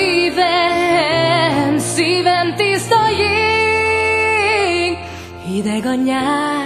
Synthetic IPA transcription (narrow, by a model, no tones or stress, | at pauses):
vɛ | nsivɛnt̪ist̪ɔji | ŋ | id̪ɛɡɒɲa